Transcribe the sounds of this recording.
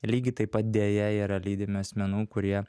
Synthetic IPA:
lʲiːɡʲɪt̪ɐɪpɐt̪̚d̪ʲeːjɛiːɾɐlʲiːd̪ʲɪmʲɪɐsʲmʲɛnuːkʊɾʲiɛ

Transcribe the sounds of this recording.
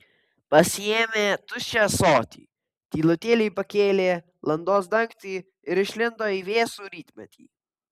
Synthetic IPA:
pɐsʲɪeːmʲeːt̪ʊʃʲt͡ʃʲɛsoːt̪ʲḭː | t̪ʲiːlˠʊt̪ʲeːlʲɪjpɐkʲeːlʲeː | lˠɐnd̪oːsd̪ɐŋkt̪ʲiː | ɪɾɪʃʲlʲɪnd̪oːiːʋʲeːsuːɾʲiːt̪ʲmʲɛt̪ʲʰḭː

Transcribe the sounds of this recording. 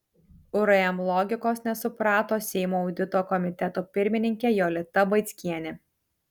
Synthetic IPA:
ʊɾɐɛmlˠɔɡʲɪkoːsnʲɛsʊpɾɑːt̪oːsʲɛɪmoːʊd̪ʲɪt̪oːkɔmʲɪt̪ʲɛt̪oːpʲɪɾʲmʲɪnʲɪŋʲkʲɛjoːlʲɪt̪ɐbɐɪt̪sʲkʲiɛnʲɪ

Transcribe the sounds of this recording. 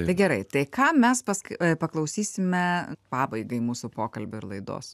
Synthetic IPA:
ɐɪɡʲɛɾɐɪt̪ɐɪkɑːmʲɛspɐskpɐklˠɐʊsʲiːsʲɪmʲɛpɑːbɐɪɡɐɪmuːsʊpoːkɐlʲbʲʊɪɾlˠɐɪd̪o̰ːs

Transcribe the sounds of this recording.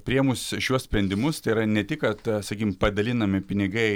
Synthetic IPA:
pʲɾʲiɛmʊsʃʲuɔssʲpʲɾʲɛnd̪ʲɪmʊst̪ɐɪiɾɐnʲɛt̪ʲɪkɐt̪sɐkʲikʲɪmpɐd̪ɐlʲɪnɐmʲɪpʲɪnʲɪɡɐɪ

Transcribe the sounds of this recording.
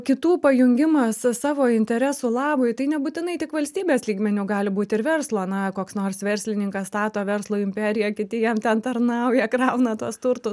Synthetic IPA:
kʲɪt̪uːpɐjʊŋʲɡʲɪmɐssɑːʋoːɪnʲt̪ʲɛɾʲæːsuːlˠɑːbʊɪt̪ɐɪnʲɛbuːt̪ʲɪnɐɪt̪ʲɪkʋɐlʲsʲt̪ʲiːbʲeːslʲiːɡmʲɛnʲuːɡɑːlʲɪbuːt̪ʲɪɾʋʲɛrslˠoːnɐkoːksnoːrsʋʲɛɾʲsʲlʲɪnʲɪŋkɐst̪ɑːt̪oːʋʲɛrslˠoːɪmʲpʲɛːɾʲɪjɛkʲɪt̪ʲɪjɛmt̪ʲɛnt̪ɐrnɐʊjɛkrɐʊnɐt̪uɔst̪ʊɾt̪ʊ

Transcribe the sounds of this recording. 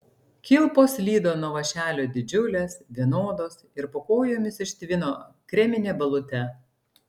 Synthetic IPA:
kʲɪlˠpoːslʲiːd̪oːnuɔʋɐʃʲæːlʲoːd̪ʲɪd͡ʒʲʊlʲeːsʋʲiɛnoːd̪oːsɪɾpoːkoːjoːmʲɪsɪʃʲt̪ʲʋʲɪnoː | kɾʲɛmʲɪnʲeːbɐlˠʊt̪ʲɛ

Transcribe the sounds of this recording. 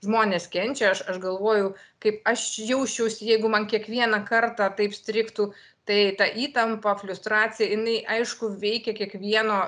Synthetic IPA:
ʒmoːnʲeːskʲɛnʲt͡ʃʲɛɐʃɐʃɡɐlˠʋoːjʊkɐɪpɐʃjɛʊʃʲt͡ʃʲɛʊsʲɪjɛɪɡʊmɐnkʲiɛkʋʲiɛnɐkɐrt̪ɑːt̪ɐɪpsʲt̪ʲɾʲɪkt̪uː | t̪ɐɪt̪ɑʔiːt̪ɐmpɐflʲʊst̪ɾɑːt͡s̪ʲɪjɛjɪnɐɪʔɐɪʃkʊʋʲɛɪkʲɛkʲiɛkʋʲiɛnoː

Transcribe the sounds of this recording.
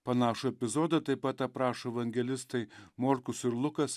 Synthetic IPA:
pɐnɑːʃʊɛpʲɪzoːd̪ɐt̪ɐɪpɐt̪ɐpɾɑːʃoɛʋɐŋʲɡʲɛlʲɪst̪ɐɪmoːɾkʊsɪɾlˠʊkɐs

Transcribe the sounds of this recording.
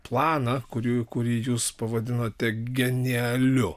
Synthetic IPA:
plˠɑːnɐkʊɾʲuːkʊɾʲiːjuːspɐʋɐd̪ʲɪnoːt̪ʲɛɡʲɛnʲiɛlʲʊ

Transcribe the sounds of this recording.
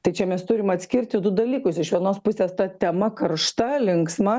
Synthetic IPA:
t̪ɐɪt͡ʃʲɛmʲɛst̪ʊɾʲɪmɐt̪ʲsʲkʲɪrʲt̪ʲɪd̪ʊd̪ɐlʲiːkʊsɪʃʋʲiɛnoːspʊsʲeːst̪ɐt̪ʲɛmɐkɐrʃt̪ɐlʲɪŋksmɐ

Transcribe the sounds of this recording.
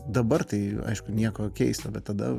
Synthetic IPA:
d̪ɐbɐrt̪ɐɪɐ̰ɪʃkʊnʲiɛkoːkʲɛɪst̪ɐbʲɛt̪tːɐd̪ɐ̰

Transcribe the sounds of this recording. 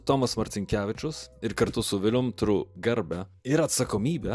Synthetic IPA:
t̪oːmɐsmɐɾʲt̪ʲɪŋʲkʲæːʋʲɪt͡ʃʲʊsɪɾkɐɾt̪ʊsʊʋʲɪlʲʊmt̪ɾʊɡɐɾʲbʲɛɪɾɐt̪sɐkoːmʲiːbʲɛ

